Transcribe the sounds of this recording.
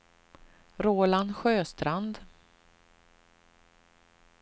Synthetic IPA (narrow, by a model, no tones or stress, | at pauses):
ɾoːland̪ɧøːst̪ɾand̪